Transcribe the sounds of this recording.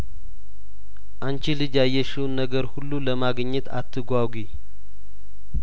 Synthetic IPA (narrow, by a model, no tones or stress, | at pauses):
ʔant͡ʃilɨd͡ʒajːɛʃiwnːəɡəɾhulːuləmaɡəɲːət̪ʰa̰t̪ʰːɨɡʷaɡʷi